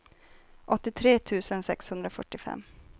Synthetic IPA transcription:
ʔɔt̪ːɪt̪ʰɾeːt̪ʰʉ̟ːsənsɛkshɵnd̪ɾafœʈːɪfɛ̰mː

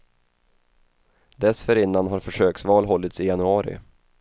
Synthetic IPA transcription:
d̪ɛsfœɾɪnːanɦaɾfœʂøːksvɑːlɦɔlːɪt̪sɪjanɵɑːɾɪ̰

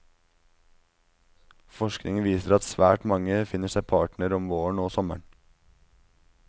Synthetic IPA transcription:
fɔʃknɪŋʋiːsəɾɑt̪sʋæ̰ːʈmɑŋəfɪnəʃæɪpʰɑːʈɳəɾɔmʋoːəɳoːsɔmə̰ɳ

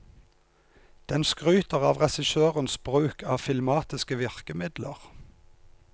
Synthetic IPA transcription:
d̪̥ɛnskʁʉːt̪əʁɑːʋʁɛsɪʃøːʁənsbʁʉːkʰɑːfɪlmɑːt̪ɪskəʋɪʁkəmɪd̪ləʁ

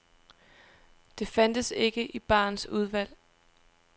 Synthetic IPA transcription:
d̥e̝fænd̥əse̝ɡ̥əʔib̥ɑ̰̈ːnsuð̞ˠʋæl̰

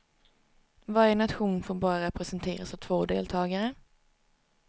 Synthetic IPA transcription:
vɑænat̪ɧuːnfoːɾbɑːɾaɾɛpɾɛsɛnt̪ʰḛːɾasavt̪ʰvoːd̪ḛːlt̪ʰɑːɡaɾə

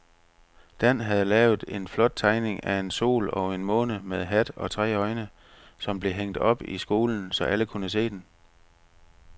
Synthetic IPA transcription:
d̥æn̰ɦæð̞̩ˠəlɛːʊð̩ˠe̝nflɒ̽d̥̚t͡sʰɑ̈ɪne̝ŋæe̝nso̝̰ːlɒ̽e̝nmɔ̰̽ːnəmeðˠɦæd̥ɒ̽t͡sʰʁɛ̰ːɒ̽ɪnə | sɒ̽mb̥le̝ɦeŋ̰d̥ɒ̽b̥isɡ̥o̝ːln̩sɒ̽ʔæləkʰunəs̬e̝̰ːd̥en

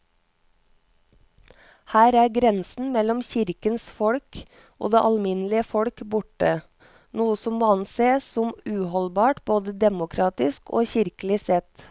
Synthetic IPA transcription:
hæːɾæːɡɾɛnsn̩mɛlɔmçɪɾkənsfɔɽk | ʔo̰ːd̪eːʔɑlmɪnlɪəfɔɽkbʊʈə | nuːəsɔmːoːɑnseːsɔmʉːhɔlbɑːʈboːd̪əd̪ɛmʊkʰɾɑːt̪ɪsko̰ːçɪɾklɪsɛt̪

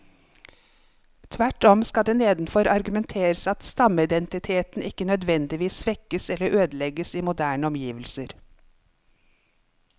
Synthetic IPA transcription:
t̪ʰʋæʈɔmskɑd̪eːneːd̪n̩fɔɾʔɑɾɡʉmɛnt̪ʰeːɾəsɑt̪st̪ɑməɪd̪ɛnt̪ɪt̪ʰeːt̪n̩ɪkənœd̪ʋɛnd̪ɪʋiːsʋɛkəsɛləɾʔøːd̪lɛɡəsiːmʊd̪æːɳəɔmjiːʋəl̩səɾ

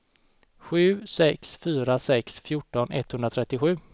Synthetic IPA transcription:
ɧʉ̟ːsɛksfyːɾasɛksfjʊʈːɔnɛ̰t̪hɵnd̪ɾat̪ʰɾɛt̪ːɪɧʉ̟ː

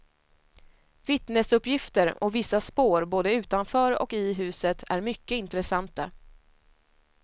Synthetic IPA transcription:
vɪt̪nəsɵpːjɪft̪əɾɔvɪsːaspoːɾboːd̪əʉ̟ːt̪anfœɾɔ̰kɪɦʉ̟ːsət̪ʰæ̰ɾmʏkːəɪnt̪ɾɛsant̪a

